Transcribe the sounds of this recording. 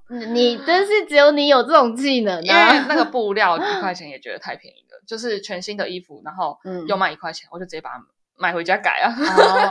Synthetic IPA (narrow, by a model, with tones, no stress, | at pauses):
ni˨˩t̪ə˥nʂi˥˩ʈ͡ʂɻ̩˧˥jo˧˥ʊni˧˥jo˨˩ʊt͡sə˥˩ʊ˨˩ŋt͡ɕi˥˩nə˦a˥˧˥na˥˩ɡə˩pu˥˧ljɑ˥˧ʊi˧˥kwa˥˩ɪt͡ɕʰjɛ˧˦njɛ˨˩t͡ɕɥɛ˧˦˥d̪ə̰˨˧t̪ʰa˥˩ɪpʰḭ˧˦ŋḭ˧˥ɡ̪ə̰˩t͡ɕjo˥˧ʊʂ̬ɻ̩˥˩t͡ɕʰɥɛ˧˦nɕi˥nd̪ə˨i˦˥fṵ˨˩˦na˧˦nxo˥˩ʊ˩jo˥˧ʊma˨ɪi˧kwa˥˩ɛ˧˦nwt͡ɕo˥˩ʈ͡ʂ̩ɨ˨˩i˧˥pa̰˩ | ma˨˩ɪxwe˧˥ɪt͡ɕja˥ka̰˨˩ɪɐ˨˩